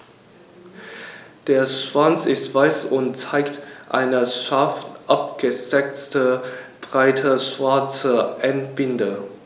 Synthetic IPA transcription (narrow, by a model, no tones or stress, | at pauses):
d̥eːɐʃv̥ant͡sɪstv̥aɪsʊntt͡saɪktʔa̰ɪnəʃaɐftʔap̚ɡ̥əz̥ɛt͡stəb̥ʁaɪtʰɐʃv̥aɐt͡sɐʔɛntb̥ɪndə